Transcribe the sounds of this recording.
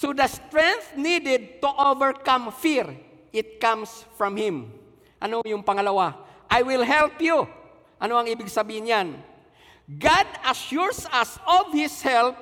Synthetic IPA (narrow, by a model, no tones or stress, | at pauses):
sod̪ɐst̪ɹɛŋθnid̪ɛd̪̚t̪uʔovɛɹkãmfiɹ | ʔɪt̪̚kãmsfɹɐmhɪ̃m | ʔɐnojʊŋpɐŋɐlɐwaʔajwɪlɦɛlpju | ʔɐnoɐŋiːbɪɡsɐbiːhɪnjan | ɡad̪ɐʃuɹsasɔvhɪshɛlp̚